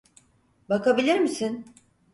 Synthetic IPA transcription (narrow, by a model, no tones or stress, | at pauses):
bakabilʲiɾmisin